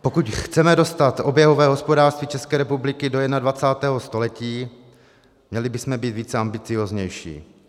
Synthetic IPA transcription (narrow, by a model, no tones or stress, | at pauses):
po̞kucxt͡sɛmɛdo̞st̪at̪ʔo̞bjɛɦovɛːɦo̞spo̞daːɾrst̪viːt͡ʃɛskɛːɾɛpublɪkɪdo̞jɛdnadvat͡saːt̪ɛːɦost̪o̞lɛciː | mɲɛlɪbɪsmɛbiːt̪viːt͡sɛambɪt͡sɪjoːzɲɛjʃḭː